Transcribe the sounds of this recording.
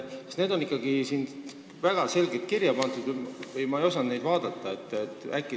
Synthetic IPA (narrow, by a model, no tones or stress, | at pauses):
sest̪ne̞ːd̪o̞nikːˑɑɡ̥isin | væɡ̥ɑse̞lɡet̪̚kirjɑpɑnt̪ˑud̪̥vɯjmɑejo̞sɑnne̞jd̪̥vɑːd̪̥ɑt̪ˑːɑe̞t̪ːˑet̪ːˑækːˑi